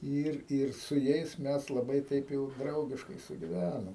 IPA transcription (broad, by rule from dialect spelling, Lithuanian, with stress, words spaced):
ˈɪr ɪr sʊ ˈjɛɪs ˈmʲɛs lˠɐˈbɐɪ ˈtɐɪp jɛʊ ˈdrɐʊɡʲɪʃkɐɪ sʊɡʲɪˈʋʲænoːm